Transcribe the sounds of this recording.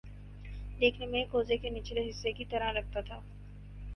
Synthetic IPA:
d̪eːkʰnemẽkoːzekeniːt͡ʃeleɦɪsːekit̪ɐɾaɾɐk̚ʰt̪at̪ʰaː

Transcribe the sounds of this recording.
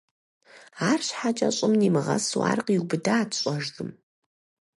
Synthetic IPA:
aːrɕħat͡ʃʼɐɕʼɪmniːmɨʁɐ̰swa̰ːrqiwbɨdaːtʰɕʼɔʒdɨm

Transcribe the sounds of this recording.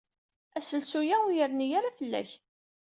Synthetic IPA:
æsəlsujæujəɾnijaɾafəlːæ̰ç

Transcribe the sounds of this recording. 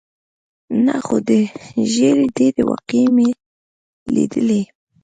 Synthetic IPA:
naxod̪əʒeɾed̪eɾewa̰qime | lḭd̪əle

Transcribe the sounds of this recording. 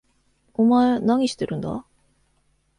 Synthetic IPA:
omaenaŋʲiɕi̥t̪͈e̞ɾɯnd̪a̰

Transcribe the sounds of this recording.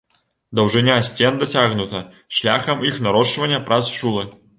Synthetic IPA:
d̪ɐwʐɨnʲasʲt͡sʲend̪ɐsʲaɣnut̪ɐ | ʂlʲaxɐmixnɐɾɔʂvɐnʲːɐpɾʔasʂulˠɨ

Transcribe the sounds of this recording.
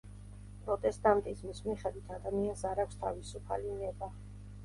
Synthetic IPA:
pʼɾɔt̪ʼɛst̪ʼant̪ʼismismiχɛd̪wit̪ʰad̪amiansaɾakʷʰst̪ʰa̰visupʰa̰linɛba

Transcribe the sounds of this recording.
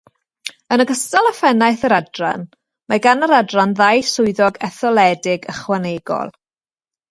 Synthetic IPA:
ənəɡəstalˠafɛnajθəɾadra̰n | maɡanəɾadranðajsʊɨðɔɡɛθɔlˠɛdɪɡəχwaneɡɔ̰lˠ

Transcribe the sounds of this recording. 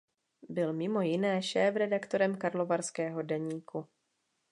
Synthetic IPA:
bɪlmɪmo̞jɪnɛːʃɛːfɾɛdakt̪o̞ɾɛmkaɾlovaɾskɛːɦo̞dɛɲiːku

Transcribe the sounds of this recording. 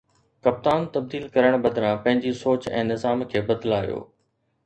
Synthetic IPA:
kɐp̚t̪aːnt̪ɐb̚d̪iːlkɐɾəɽ̃bɐd̪ɾãpɐ̃ɦɪ̃ɲd͡ʑisoːt͡ɕɛ̰̃ːnɪzaːmkʰeːbɐd̪laːjo̰ː

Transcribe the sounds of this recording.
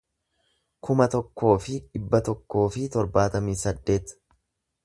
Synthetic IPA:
kʊmɐt̪ɔkːo̞ːfɪᶑɪbːɐt̪ɔkːo̞ːfɪt̪ɔɾbaːt̪ɐmiːsɐd̪ːe̞ːt̪

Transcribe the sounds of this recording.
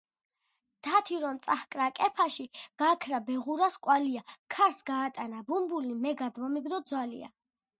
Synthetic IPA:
d̪̥at̪ʰiɾɔmt̪sʼahkʼɾakʼɛpʰaʃiɡ̥akʰɾabɛʁuɾaskʼwaliakʰaɾsɡaːt̪ʼanabumbulimɛɡad̪vɔmiɡd̪ɔd̪zwalḭa̰

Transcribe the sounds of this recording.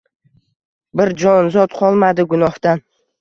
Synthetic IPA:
bɪɾd͡ʒɒnzɒt̪qʰɒlˠmad̪ɪɡʊnɒht̪an

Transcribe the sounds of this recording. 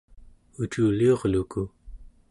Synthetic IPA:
ut͡ʃuːlio̞ʁluku

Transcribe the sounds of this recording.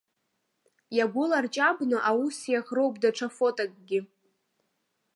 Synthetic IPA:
jaɡʷʊlart͡ʃʼabnɨʔausijaχrowpʼdaʈ͡ʂʰafotʼakʼɡʲɪ

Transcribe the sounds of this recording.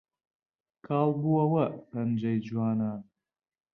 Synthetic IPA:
kʰaːlˠbuɐwɐpʰɐnd͡ʒɐjd͡ʒuwaːnaːn

